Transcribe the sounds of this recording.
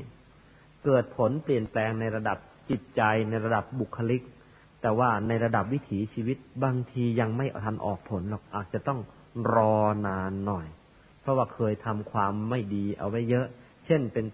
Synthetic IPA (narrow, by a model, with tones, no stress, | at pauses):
kɤː˨˩t̪̚pʰo˩˦npli˨˩ənplɛː˧ŋna˧jɾa˧da˨˩p̚t͡ɕi˨˩t̪̚t͡ɕa˧jna˧jɾa˧da˨˩p̚bu˨˩kʰːa˧li˦˥k̚ | t̪ɛː˨˩waː˥˩na˧jɾa˧da˨˩p̚wi˦˥t̪ʰiː˩˦t͡ɕʰiː˧wi˦˥t̪̚baː˧ŋt̪ʰiː˧ja˧ŋma˥˩jʔt̪ʰa˧nʔɔ̰ː˨˩k̚pʰo˩˦nlɔ˨˩k̚ʔaː˨˩t̪̚t͡ɕa˨˩t̪ɔ˥˩ŋ | ɾɔː˧naː˧nːɔ˨˩j | pʰɾɔ˦˥waː˥˩kʰɤː˧jt̪ʰa˧mkʰwaː˧mːa˥˩jdiː˧ʔa̰˧wa˦˥jːɤ˦˥ʔ | t͡ɕʰe˥˩npe˧n